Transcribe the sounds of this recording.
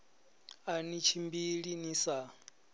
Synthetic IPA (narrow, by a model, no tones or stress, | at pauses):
anit͡ʃʰimbiɺinisa